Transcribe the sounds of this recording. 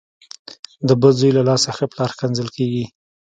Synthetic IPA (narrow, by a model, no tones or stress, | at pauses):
d̪əbəlzujlalɑsaxəplɑɾkanzəlkeɡi